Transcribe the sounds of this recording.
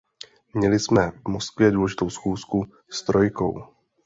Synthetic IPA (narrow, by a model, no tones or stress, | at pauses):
mɲɛlɪsmɛvmoskvjɛduːlɛʒɪt̪o̞wsxuːsku | st̪ɾo̞jko̞̰w